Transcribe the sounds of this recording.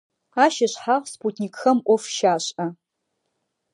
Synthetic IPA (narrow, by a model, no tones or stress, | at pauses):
aʃaʃʷħaχʷsputʰnʲikxəmʔʷofʃaʃʷa